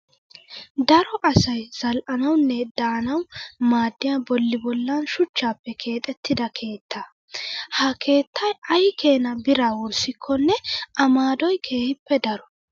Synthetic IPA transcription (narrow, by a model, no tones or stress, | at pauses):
d̪ɐɾɔʔɐsɐjz̥ɐlʔɐnɐwnːɛd̪̥aːnɐwmaːd̪ːɪjabɔlːɪbɔlːanʃʊt͡ʃːaːpːɛkʰe̞ːt̪ʼɛt̪ʰːɪd̪ɐkʰe̞ːt̪ːɐ | hɐkʰe̞ːt̪ʰːɐjɐjkʰe̞ːnɐbɪɾaːwɔɾsɪkʰːɔnːɛʔɐmaːd̪ɔjkʰe̞ːhɪpːɛd̪ɐɾɔ